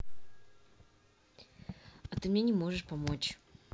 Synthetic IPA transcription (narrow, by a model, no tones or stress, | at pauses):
ɐt̪ɨmnʲenʲɪmo̞ʐɨʂpɐmo̞t͡ɕ